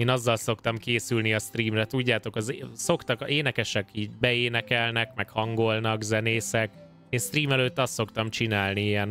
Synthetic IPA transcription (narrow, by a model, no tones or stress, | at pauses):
eːnɒzːɒlso̞kt̪ɒmkeːsylniɒst̪riːmrɛt̪uɟːaːt̪o̞kɒzso̞kt̪ɒkeːnɛkɛʃɛkiːɟbɛeːnɛkɛlnɛkmɛkhɒŋɡo̞lnɒkzɛneːsɛk | eːnst̪riːmɛløːt̪ːɒst̪ːo̞kt̪ɒmt͡ʃinaːlniiɛn